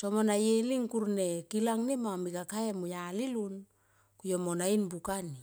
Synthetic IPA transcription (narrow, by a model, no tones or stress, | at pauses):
so̞monajeliŋkuɾne̞kilaŋnemamikakaemujalilun | kujo̞monainbukani